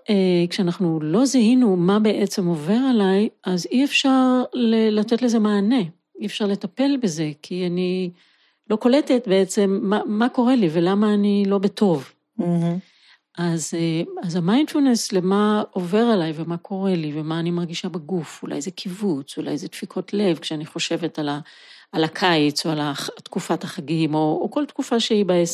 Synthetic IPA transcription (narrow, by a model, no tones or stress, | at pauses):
ʔekʃeanaχnulo̞zahinumabe̞ʔet͡se̞mo̞ve̞ʁalajaziefʃaʁlelat̪e̞tle̞ze̞maːne̞ | iefʃaʁlet̪ape̞lbeze̞kʰiani | lo̞ko̞let̪et̪be̞et͡semːaːako̞ʁe̞live̞lamaːnilo̞betʰo̞v | ʔazazamajnd̥fulneslemaove̞ʁalajvemakʰo̞ʁe̞livemaːnimaʁɡiʃabaɡufula̰jzekʰivut͡sula̰jzet̪fikʰo̞tle̞vkʃeaniχo̞ʃe̞ve̞talaːlakʰajt͡soalat̪kufathaχaɡimo̞ːko̞ltkufaʃeibaes